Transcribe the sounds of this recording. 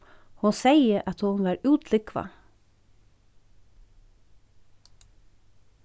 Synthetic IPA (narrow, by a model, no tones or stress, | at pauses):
hʊnsæɪəʔɑt̪hʊnʋæːɾʉːt̪ʰlʏkʰʋɑ̰